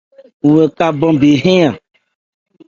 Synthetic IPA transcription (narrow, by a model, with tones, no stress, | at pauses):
ŋũ˨e˨ka˦bɔ̃˦be˨ɦẽ˦ã˨